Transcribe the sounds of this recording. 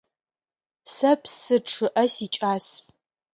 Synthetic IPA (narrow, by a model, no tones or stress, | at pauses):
sɐpʰsɨʈ͡ʂʰɨʔɐsit͡ʃʼaːs